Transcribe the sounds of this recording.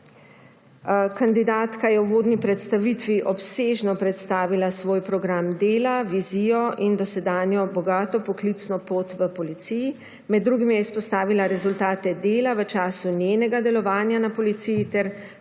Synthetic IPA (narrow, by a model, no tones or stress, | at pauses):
kand̪id̪aːt̪kajɛwʋoːd̪nipɾɛt̪st̪aʋit̪ʋiʔɔpseːʒnɔpɾɛt̪st̪aːʋilasʋoːjpɾɔɡɾamd̪eːlaʋiziːjɔʔind̪ɔsɛd̪aːnjɔbɔɡaːt̪ɔpɔklit̪snɔpoːt̪ʋəpɔlit̪siji | mɛd̪ːɾuːɡimjɛispɔst̪aːʋilaɾɛzult̪aːt̪ɛd̪eːlaʋət͡ʃaːsunjeːnɛɡad̪ɛlɔʋaːnjanapɔlit̪sijit̪ɛɾ